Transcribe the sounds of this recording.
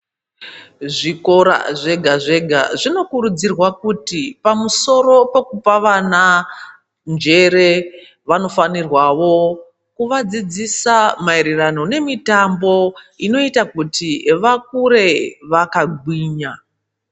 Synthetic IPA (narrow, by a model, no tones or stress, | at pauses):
ʐiko̞ɾa̰ʐe̞ɡʱaʐe̞ɡʱa̰ʐino̞kuɾud͡zirwakutipamuso̞ɾo̞pekupaʋana | nd͡ʒe̞ɾe̞ | ʋano̞fanirwaʋo̞ | kuʋad͡zid͡zisamaeɾerano̞ne̞mitambo̞ino̞itakutiʋak̚uɾe̞ʋakaɡʱwiːɲa